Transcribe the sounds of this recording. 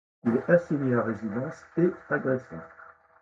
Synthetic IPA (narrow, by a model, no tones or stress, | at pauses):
ilɛʔasiɲeaʁezid̪ɑ̃seaɡʁɛsɔ̰̃